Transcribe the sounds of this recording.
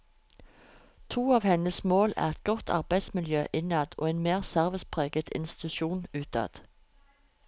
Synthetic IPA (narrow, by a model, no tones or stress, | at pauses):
t̪ʰuːɑːʋhɛnəsmoːlæ̰ːʁɛt̪̚ɡɔt̪ʰɑ̰ʁbæɪd̪smɪljøːʔɪnɑd̪o̰ːeːnmeːʁsæʁʋɪspʰʁeːɡət̪ʰɪ̰nst̪ɪ̥t̪ʉʃuːnʉːt̪̚ɑ̰ːd̪̥